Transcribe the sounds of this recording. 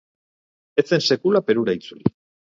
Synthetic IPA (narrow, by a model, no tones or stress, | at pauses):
et͡sense̞kulape̞ɾuɾait͡suli